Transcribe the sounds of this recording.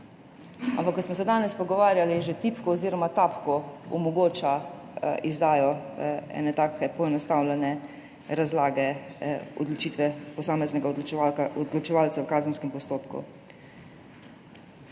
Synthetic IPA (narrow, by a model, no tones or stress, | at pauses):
a̰mpakːɔsmɔsɛd̪aːnɛspɔɡɔʋaːɾjaliʒet̪ipkɔːziːɾɔmat̪aːpkɔɔmɔɡoːt͡ʃa | izd̪aːjɔɛ̰nɛt̪aːkɛpɔɛnɔst̪awlɛnɛ | ɾazlaːɡɛɔ̰d̪lɔt͡ʃiːt̪ʋɛpɔsaːmɛznɛɡaɔd̪ɡlɔt͡ʃɛʋaːlt̪sɛwkaːzənskɛmpɔst̪oːpkṵ